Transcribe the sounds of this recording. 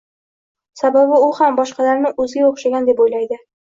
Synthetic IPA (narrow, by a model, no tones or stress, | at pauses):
sababɪʊhambɒʃqɑlaɾnɪʔɵzɪɡʲaoχʃaɡʲand̪e̞pojlajd̪ɪ